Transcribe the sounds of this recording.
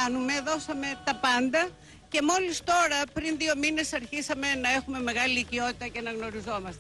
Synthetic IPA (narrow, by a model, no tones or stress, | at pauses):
ɐnume̞ðo̞sɐme̞t̪ɐpɐnd̪ɐ | ce̞mo̞list̪o̞ɾɐpɾinðio̞mine̞sɐɾçisɐme̞nɐe̞xume̞me̞ɣɐliicio̞t̪it̪ɐcenɐɣno̞ɾizo̞mɐst̪e